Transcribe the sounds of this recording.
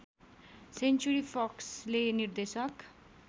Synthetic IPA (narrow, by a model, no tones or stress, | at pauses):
sent͡ʃuɾipʰɔkslenird̪esʌk